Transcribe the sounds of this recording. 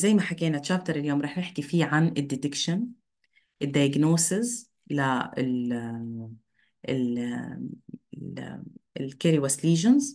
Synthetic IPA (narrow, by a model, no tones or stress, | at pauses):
zajːmaħakeːnat͡ʃːaːb̚t̪ɑɾˤɪljoːmɾɑːħnɪħkifiːʕanɪd̪ːɪd̪ɪkʃan | ʔɪd̪ːajaɡnoːsɪz | laɪl | ʔɪl | ɪlkɪɾiwasliːʒanz